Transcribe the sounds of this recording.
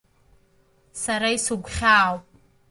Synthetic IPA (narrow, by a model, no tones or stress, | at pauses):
saɾaisuɡʷχʲaːwpʼ